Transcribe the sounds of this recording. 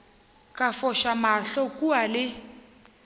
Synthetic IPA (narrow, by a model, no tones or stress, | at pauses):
kʼafɔʃamaɬɔkʼualɪ